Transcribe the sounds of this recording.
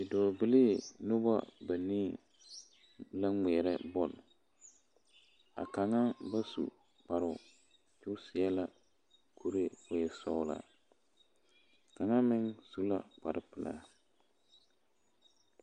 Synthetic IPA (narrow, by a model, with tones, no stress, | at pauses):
bɪ˨dɔː˨bɨ˦li˦˨no˦ba̰˦ba˨niː˦ | la˦ŋɛ˨ɾɛ˦bɔ˦˨l | a̰˨ka˨ŋa˦ba˦sṵ˨ | k͡pa˨ɾʊ˨ | t͡ʃʊ˦sɪ˨ɛ˦la˦ | kʰo˦ɾe˦ʊ˨jɛ˨sɔ˦ʊ˦la̰˨ | ka˨ŋa˦mɪ˦ŋsu˦la̰˨k͡pa̰˨ɾɪ˦pɪ˨la̰˦